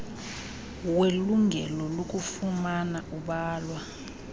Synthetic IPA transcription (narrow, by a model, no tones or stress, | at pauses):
weluŋʱɛlɔlok̬ʼufumanaʔuɓaːlwa